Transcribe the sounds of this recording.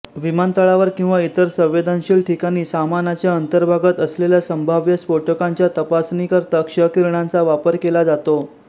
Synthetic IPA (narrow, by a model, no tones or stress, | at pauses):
ʋimant̪əɭaʋəɾkĩw̃ʋait̪əɾsə̃wʋed̪ʱanɕiːɭʈʰikaɽ̃iːsamanat͡ɕjaənt̪əɾbʱaɡət̪əsleljasəmbʱaʋjəspoʈəkaɲt͡ɕjat̪əpasnikəɾt̪akʂəkiɾɳãnt͡saʋapəɾkelad͡zat̪o